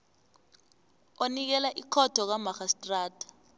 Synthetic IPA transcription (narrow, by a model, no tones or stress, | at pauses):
onik̬ɛlaʔikʰɔd̥ʱɔk̬amaxastʼraːdʱḁ